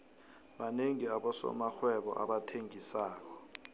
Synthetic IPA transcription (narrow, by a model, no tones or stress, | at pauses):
ɓaneŋiaɓɔsɔ̰maxwɛɓɔ̰ʔa̰ɓatʰeŋisaːk̬ɔ̥